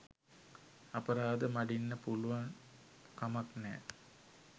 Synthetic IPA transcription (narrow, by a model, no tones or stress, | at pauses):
apəɾaːd̪əmaɖinːəpuluʋaŋ | kamaknɛː